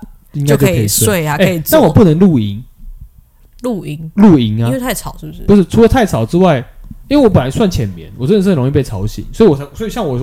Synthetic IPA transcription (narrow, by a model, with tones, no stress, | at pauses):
i˦ŋka˥ɪt̪o˥˧kʰe˧˨˥se˥˩ɪa˨˩ke˧˨˩na˥˩˨wɔ˨˩pu˥˩˨nə˧˦ŋlu˥˨˩i˧˦ŋ | lu˥˩i˧˥ŋlu˥˨i˧˥ŋa˦˥˧t̪ʰa˥˩ɪt͡sʰɑ˨˦ʊɻ̩˥˩bpu˧˦ʂɻ̩˥˩t͡sʰu˧˥lə˧˦t̪ʰa˥˩ɪt͡sʰɑ˨˩ʊʈ͡ʂɻ̩˥˦wa˥˩ɪi˥ŋwe˥˩˨wɔ˧˦p̬ə˨la˧˦ɪswa˥˩nt͡ɕʰjɛ˨˩nmjɛ̰˨˦nwə˥ə˩ʂ̬̩˥˩ə˨o˧˦˥i˥˧pe˥˩ɪt͡sʰɑ˧˥ʊɕḭ˨˩˦ŋswɔ˧˥i˨˩wɔ˨˩˧sɔ˧˥i˨˩ɕjɑ˥˩ŋwɔ˨˩